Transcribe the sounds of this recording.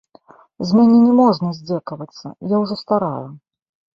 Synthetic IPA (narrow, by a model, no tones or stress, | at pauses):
zʲmʲanʲɛnʲɛmɔʐnɐzʲd͡zʲɛkɐvɐt̪sːɐ̰jawʐɔst̪aɾa̰ju